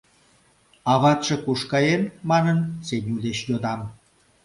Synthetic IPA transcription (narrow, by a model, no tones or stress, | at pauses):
ɑβɑt̪ʃekuʃkɑjenmɑnənsenʲuleʃjod̪ɑm